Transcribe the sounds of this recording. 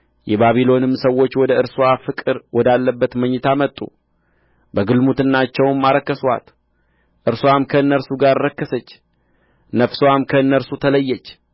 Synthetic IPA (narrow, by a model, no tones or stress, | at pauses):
jɛbaβilo̞nɨmːsəwːo̞t͡ʃːwɔd̪əɨɾswafɨkʼɨɾwɔd̪alːəbːət̪məɲːɨt̪ʰamət̪ʼːṵ | bəɡɨlmut̪ɨnːat͡ʃːɛwmːaɾəkːəswa̰t̪ | ʔɨɾswamkʰəɨnːəɾsuɡaɾːəkːəsət͡ʃː | nəfswamkʰəɨnːəɾsut̪ʰələjːɛt͡ʃː